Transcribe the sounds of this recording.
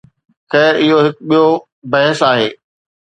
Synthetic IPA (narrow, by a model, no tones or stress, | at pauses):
xɛːɾɪɦoɦɪkɓijo | bɐɦɪsaːɦeː